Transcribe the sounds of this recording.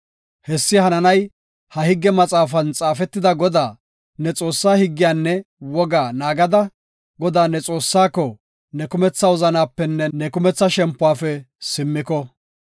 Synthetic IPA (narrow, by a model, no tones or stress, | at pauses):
hɛsːɪhɐnɐnɐj | hɐhɪɡːɛmɐt͡sʼaːfɐnt͡sʼaːfɛt̪ːɪd̪ɐɡɔd̪aː | nɛt͡sʼo̞ːsːaːhɪɡːɪjaːnːɛwɔɡaːnaːɡɐd̪ɐ | ɡɔd̪aːnɛt͡sʼo̞ːsːaːkːɔ | nɛkʊmɛt͡sːɐwɔzɐnaːpːɛnːɛnɛkʊmɛt͡sːɐʃɛmpːʊwaːfɛ | sɪmːɪkɔ